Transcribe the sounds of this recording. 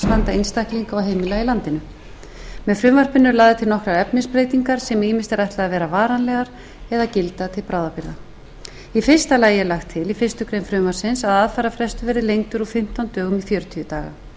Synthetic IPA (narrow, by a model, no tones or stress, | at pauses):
svant̪aenst̪ahkliŋkaɔwɦejmɪlailant̪ɪnʏ | mɛðfɾʏːmvar̥pɪnːʏɾlaːɣðɪt̪ʰɪlnɔhkɾaɾɛpnɪspɾeːjt̪iŋkaɾ̥sɛmiːmɪst̪ɛɾajht̪laðavɛːɾavaːɾanlɛɣaɾ̥ | ɛðacɪlt̪at̪ʰɪlpɾawðapɪɾða | ifɪr̥st̪alaːjɪɛɾlaxt̪ʰːɪlifɪr̥st̪ʏkɾeːjnfɾʏːmvḁsɪnsaðaðfaːɾafɾɛst̪ʏvɛɾðɪlejŋt̪ʏɾufɪm̥t̪awnt̪œːɣʏmifjœːɾʏt̪ʰyʏt̪aːɣa̰